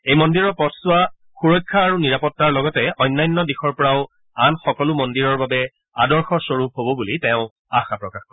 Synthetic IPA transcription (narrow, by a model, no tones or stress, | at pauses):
ejmɔndiɹɔɹpɔtʰsʊa | xuɹɔjkʰːaːɹuniɹapɔtːaɹlɔɡɔtɛʔɔjnːajnːɔdixɔɹpɔɹaʊ | anxɔkɔlʊmɔndiɹɔɹbabɛ | adɔɹxɔsoɹup̚ɦobɔbulitɛʊ̃ | axapɹɔkaxkɔɹ